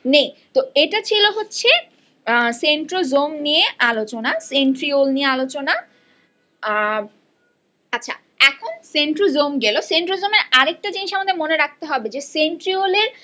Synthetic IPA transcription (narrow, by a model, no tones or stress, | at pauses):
nejt̪oeʈat͡ɕʰiloɦotːɕʰe | seɳʈɾozomnieʔalot͡ɕonaseɳʈɾiolniealot͡ɕona | atːɕʰa̰ | ɛkʰonseɳʈɾozomɡɛloseɳʈɾozomeɾaɾek̚ʈad͡ʑiniʃamad̪emoneɾak̚t̪eɦɔbed͡ʑeseɳʈɾioleɾ